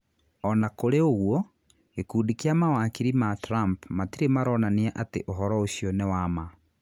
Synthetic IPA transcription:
ɔnakoɾeoɣwɔ | ekuːdikeamawakiɾimatɾampmatiɾemaɾɔnaneaʔatḛʔoɦɔɾɔoɕjɔnɛwama

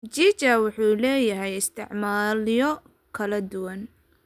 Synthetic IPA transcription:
t͡ʃit͡ʃɐwʊħuːlɛːjɐɦɛjɪst̪ʰɪ̰ʕmaːlɪjɔ | kʰɐlɐd̪ʊwɐn

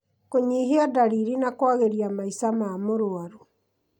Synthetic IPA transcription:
koɲiɦeadaɾiɾinakwaɣeɾiamaisamamoɾoaɾu

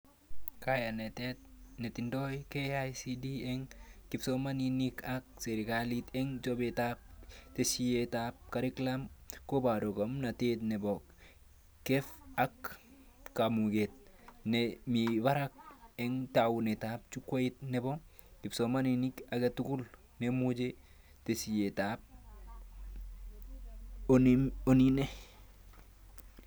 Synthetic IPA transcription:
kajanetet̚netindojkeajsidiɛŋkipsomaninikak̚seɾikaliteŋt͡ʃobetap̚tesijetap̚kaɾiklamkobadokomnatet̬nebok | kefak | kamuɡet̚nemibaɾak̚eŋtawunetap̚t͡ʃukwaitnebo | kipsomaninikaketukul | nemuɟe | tesijetap̚ | ononine

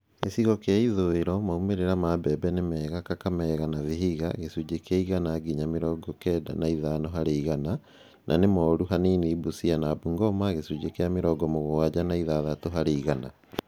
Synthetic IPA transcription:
ɣesiɣɔkeaiðoeɾɔmaumeɾeɾamabɛbɛnemɛɣakakamɛɣanaðiɦiɣaɣesud͡ʒekeaiɣanaɡiɲameɾɔɡɔkɛda̰naiðaːnɔɦaɾeiɣana | nʔa̰nemɔɾuɦaneːneibusianaːbuŋɡɔmaɣesud͡ʒekeameɾɔɡɔmoɣowaɟanaiðaːðatoɦaɾeiɣana

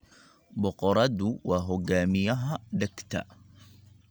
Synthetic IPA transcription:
bʊqʊɾˤɑd̪uwʔaɦʊɡaːmɪjaɦad̪akt̪a̰

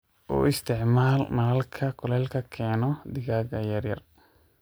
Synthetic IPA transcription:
ʔṵːɪst̪ʰɪʕmaːlmɐlɐlkʰɐkʰʊlɛːlkʰɐkʰɛːnɔd̪ɪɣaɡɐjɐɾjɐr

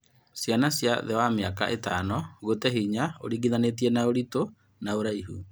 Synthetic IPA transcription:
sjanasjaðɛwameaka̰ʔetanɔɣotɛɦiɲaoɾiɡiðanetiɛnaoɾito | naoɾaiɦu

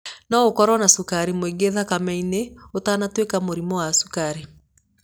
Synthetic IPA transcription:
naokɔɾwɔnasukaɾimweɡeðakamɛineotanatwekamoɾimɔwasukaɾi

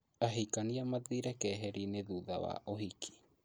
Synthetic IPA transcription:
aɦikaniamaðiɾɛkɛɦɛɾineðuðawa̰ʔoɦikʰi̥

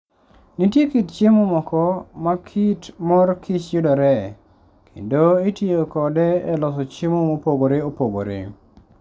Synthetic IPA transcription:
nitjekitt͡ʃemomɔkɔmakʰitmɔrkʰɪt͡ʃjʊdɔɾɛ | kʰḛndoetjokɔdɛɛlɔsɔt͡ʃemomopoɡoɾeopoɡo̰ɾḛ

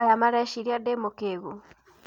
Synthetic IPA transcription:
jamaɾɛʃiɾiɔdemokeɣu

